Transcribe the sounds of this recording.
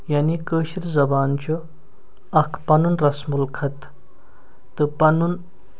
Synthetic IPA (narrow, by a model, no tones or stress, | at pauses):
jaːnikəːʃiɾʲzɐbaːnt͡ʃʰu | ɐkʰpɐnunɾɐsmulkʰɐt̪ | t̪ɨpɐnun